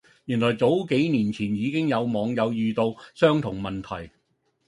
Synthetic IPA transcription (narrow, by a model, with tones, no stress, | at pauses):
jyː˨˩nlɔː˨˩jt͡so˨˥wke˨˥jniː˨˩nt͡sʰiː˨˩njiː˨˧kɪ˥ŋjɐ˨˧wmɔː˨˧ŋjɐ˨˧wjyː˨t̪o˧wsœː˥ŋt̪ʰʊ˨˩ŋmɐ˨˩nt̪ʰɐ̰˨˩j